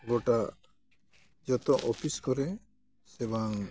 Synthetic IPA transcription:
ɡoʈa | d͡ʒɔt̪ɔʔɔpʰiskɔɾɛ | sɛbaŋ

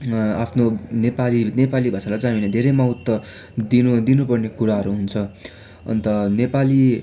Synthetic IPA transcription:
a̰pʰnonepalinepalibʱasalad͡zamined̪ʱeɾʌjmaɦut̪ːʌ | d̪id̪inupʌrnekuɾaɦʌɾuɦunt͡sʰʌ | ʌ̰nt̪ʌnepali

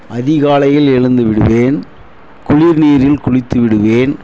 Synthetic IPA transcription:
ʔɐðɪɣaːlɐjɪlɛɻɯnd̪ɯʋɪɽɯ̰ʋeːn | kʊɻiːɾniːɾɪlkʊɻɪt̪ːɯʋɪɽɯʋeːn

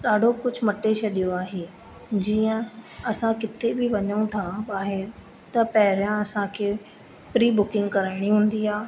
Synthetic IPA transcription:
ɗ̪aːɖʱokʊd͡ʒʱmɐʈːet͡ʃʰɐɗijoaːɦeː | d͡ʑiːə̃ɐsãkɪt̪ʰebʱɪʋɐɲəũt̪ʰãbaːɦeɾ | t̪ɐpɛɦɪɾjãɐsãkʰe | pɾiːbʊkɪ̃ŋɡkɐɾəɽ̃iɦʊ̃ːnd̪iːaː

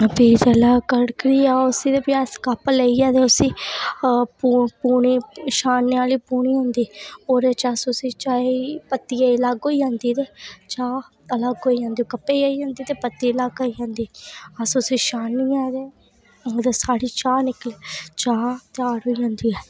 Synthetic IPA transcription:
piːd͡ʒəlakəɽkɾiːaːʊsiːd̪eːpaːskəpleiːãːd̪eːʊsiː | pupuːɳiːʃaːnːeaːliːpuːɳiːɦõnd̪iːoːɾet͡ʃasʊsiːt͡ʃaːipət̪ːiːailaɡɦoːiːjãːnd̪iːt̪eːt͡ʃaː | ələɡɦoːiːjãːnd̪iːoːkəpːeːaːiãːnd̪iːt̪eːpət̪ːiːlaɡoijãːnd̪iːəsʊsiːʃaːniaːd̪eː | d̪eːsaːɽiːt͡ʃaːnɪklet͡ʃaːt̪ɪaːɽɦoːiːd͡ʒãːnd̪iːɛː

